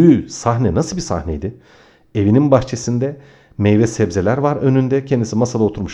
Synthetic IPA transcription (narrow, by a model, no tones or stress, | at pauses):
ysaxnɛnasɯlˠbisa̰hnejd̪ɪ | e̞vininbaxt͡ʃʰe̞sind̪ɛ | mejvɛsɛbzelʲæɾvaɾø̞nynd̪ɛcʰend̪isimasad̪ao̞t̪ʰuɾmuʃ